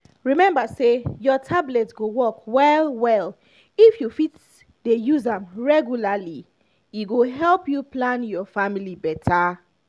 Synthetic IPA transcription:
ɹimɛ̃mbasejɔtʰablɛtɡowɔkwɛlwɛl | ifjufit | dejuzãmɹɛɡjulali | iɡoɦɛlˠpjuplãnjɔfamilibɛtʰa

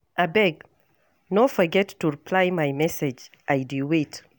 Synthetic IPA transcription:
ʔabɛɡ | nofɔɡɛtːuɹipʰlajmajmɛsɛd͡ʒ | ʔajduwet

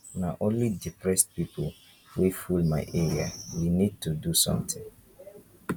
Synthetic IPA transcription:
nãʔõnlidipʰɹɛstpipʰol | fefulmãɪʔeɹiawinid̚tʰudusɔ̰̃mtʰɪ̃ŋ

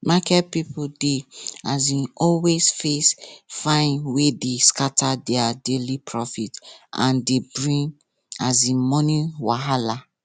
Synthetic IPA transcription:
makɛt̚pipudeazĩɔlwesfesfãɪ̃nwedeskatʰadɛadelipʰɹɔfitã̰ndebɹĩŋ | azĩmɔnĩwaɦala

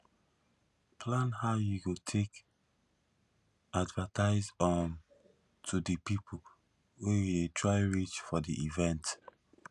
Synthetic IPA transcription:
pʰlãnhaʊjuɡotʰek | advətaɪzɔn | tʰudəpipʰo | wejiletʰɹaɪɹit͡ʃfɔdḭʔivɛ̃nt

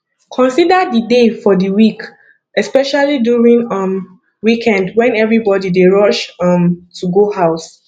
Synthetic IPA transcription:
kʰɔ̃nsidədidefɔdəwik | ɛspɛʃalidjuɹĩŋʌ̃m | wikʰɛ̃ndwɛ̃nɛvɹibɔdideɹɔt͡ʃʌ̃mtʰuɡohaʊs

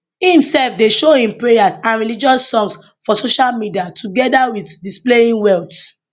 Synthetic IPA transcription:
hĩmsɛlfdeʃohĩmpɹejasãnɹilid͡ʒɔsːɔ̃ŋs | fɔsoʃalmidiatʰuɡɛdawiθdispleĩnwɛlt

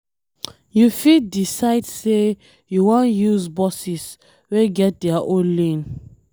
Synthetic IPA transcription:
jufiddisaɪdse | juwãnjuzbɔsis | weɡɛt̚dɛaʔõnlĩn

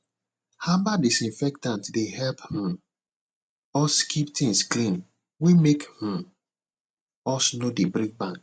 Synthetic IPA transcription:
habadisĩnfɛk̚tãntdehɛlph̩ | ɔskiptʰĩŋsklĩn | wemekh̩ | ɔsnodebɾik̚bãŋk

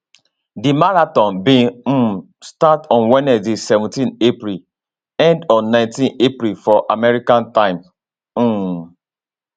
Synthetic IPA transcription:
dimaɹatɔ̃nbĩ | statɔ̃nwɛnɛdisɛvũtĩnepɾil | ɛ̃ndɔ̃nnãɪ̃ntĩnepɾilfɔʔamɛɹikãntãɪ̃m̩

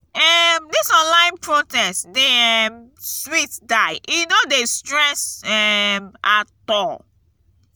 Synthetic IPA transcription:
ɛmdisɔ̃nlãɪ̃npʰɹotɛstdeɛmsswitdaɪjunodestɹɛsɛmatɔl

